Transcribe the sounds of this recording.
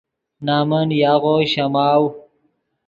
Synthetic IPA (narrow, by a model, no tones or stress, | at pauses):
naːmɐnjaːɣoɕɐmaːw